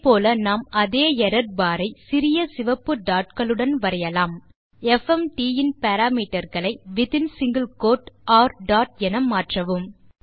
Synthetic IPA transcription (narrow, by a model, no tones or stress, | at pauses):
poːlɐnaːmɐðeːɛɾɐɾbaːɾɐɪsɪɾɪjɐsɪʋɐpːɯɖaːʈ̚kɐɭɯɽɐnʋɐɾɐjɐlaːm | ɛfɛmʈiːɪnpɛɾaːmiːʈːɐɾɣɐɭɐɪʋɪt̪ɪnsɪŋɡɐlkoːʈaːɾɖaːʈɛnɐmaːʈrɐʋɯm